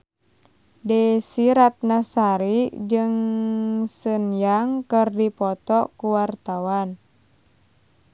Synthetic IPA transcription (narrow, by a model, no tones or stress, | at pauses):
dɛsiɾat̪̚nasaɾid͡ʒɨŋ | sənjaŋkɨrdipɔt̪ɔkuwart̪awan